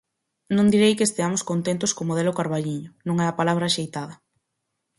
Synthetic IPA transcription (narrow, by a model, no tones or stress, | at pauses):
nõnd̪iɾejkest̪eamʊskont̪ent̪ʊskomoð̞ɛlʊkaɾβaʎiɲʊnũŋɛɐpalaβɾaʃejt̪aðɐ